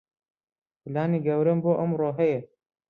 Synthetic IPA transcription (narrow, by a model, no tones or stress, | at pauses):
pʰɨlaːniɡɐwɾɐmboːʔɐmɾoːɦɛje